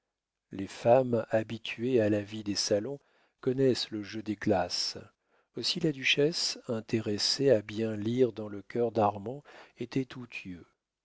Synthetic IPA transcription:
lefamabit̪ʰɥealavid̪esalɔ̃ | kɔnɛsləʒød̪eɡlas | osilad̪yʃɛsɛ̃t̪eʁeseabjɛ̃liʁd̪ɑ̃ləkʲœʁd̪aʁmɑ̃et̪ɛt̪ʰut̪ʰɥø

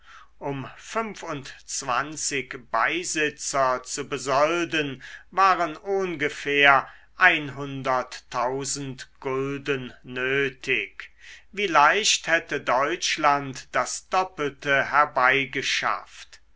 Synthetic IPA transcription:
ʔʊmfʏmfʊntt͡sv̥a̰nt͡sɪkb̥aɪzɪt͡sɐt͡subəzɔldənvaːʁənʔʊnɡəfeːɐʔaɪnɦʊndɐtʰːaʊzn̩tɡ̥ʊldənːøːtʰɪkviːlaɪʃthɛtədɔʏt͡ʃlantd̥asd̥ɔpəltəhɛɐbaɪɡəʃa̰ft

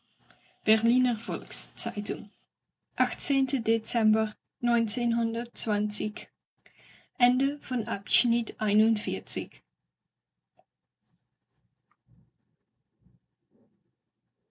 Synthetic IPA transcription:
b̥ɛɹlinəɹvɔlkst͡sɛjtʊm | ʔɑxteːntədesɛmbəɹ | nɔjnsenɦɔndəɹtːʋɑnsɪk | ʔɛndəv̥ɔnɑpsnɪtʔɛjnɔnfɪːɹt͡sɪk

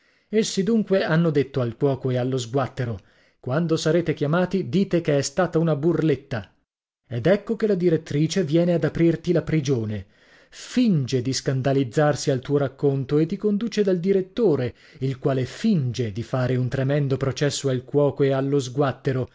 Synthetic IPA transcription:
esːid̪uŋkweanːod̪et̪ːoalkwɔːkoealːozɡwat̪ːeɾo | kwand̪osaɾeːt̪ekjamaːt̪id̪iːt̪ekeɛst̪aːt̪aunaburlet̪ːa | ed̪ɛkːokelad̪iɾet̪ːɾiːt͡ʃevjɛːnead̪apɾirt̪ilapɾid͡ʒoːne | find͡ʒed̪iskand̪alid̪zːarsialt̪uːoɾakːont̪oet̪ːikond̪uːt͡ʃed̪ald̪iɾet̪ːoːɾe | ilkwaːlefind͡ʒed̪ifaːɾeunt̪ɾemɛnd̪opɾot͡ʃɛsːoalkwɔːkoealːozɡwat̪ːeɾo

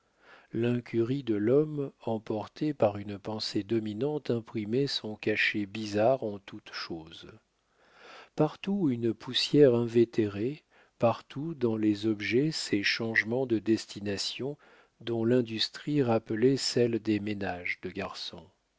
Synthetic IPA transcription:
lɛ̃kʲyʁid̪əlɔmɑ̃pɔʁt̪epaʁynpɑ̃sed̪ɔminɑ̃t̪ɛ̃pχimɛsɔ̃kaʃebizaʁɑ̃t̪ut̪ʃoːz | paʁt̪uynpʰusjɛʁɛ̃vet̪eʁe | paʁt̪ʰud̪ɑ̃lɛzɔbʒɛsɛʃɑ̃ʒmɑ̃d̪əd̪ɛst̪ʰinasjɔ̃ | d̪ɔ̃lɛ̃d̪yst̪χiʁapəlɛsɛld̪emenaʒd̪əɡaʁsɔ̃

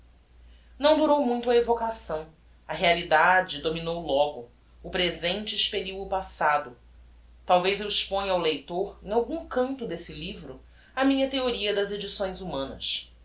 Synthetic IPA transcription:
nɐ̃w̃d̪uɾowmũj̃t̪ʊɐevokasɐ̃w̃ | ɐɦealid̪ad͡ʒɪd̪ominowlɔɡʊː | pɾezẽnt͡ʃɪːʃpeʎiwʊpasad̪ʊ | t̪awvejzewiʃpõɲawlejt̪oɾẽj̃awɡũkɐ̃nt̪ʊd̪esɪlivɾʊ | ɐmĩɲɐt̪eoɾiɐd̪ɐzed͡ʒisõj̃zumɐ̃nɐ̰s

